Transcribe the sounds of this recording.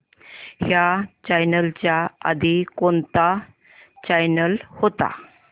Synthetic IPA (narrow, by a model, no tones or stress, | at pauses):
hjat͡ɕajnəlt͡ɕjaa̰d̪ikont̪a | t͡ɕajnəlhot̪a̰